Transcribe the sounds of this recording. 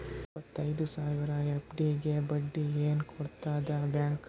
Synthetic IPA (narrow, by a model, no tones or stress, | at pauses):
ipːɐt̪ːɐjd̪usaːʋiɾɐepɖiɡe̞bɐɖːieːnkʰɔɽt̪aːd̪ɐbjaːŋk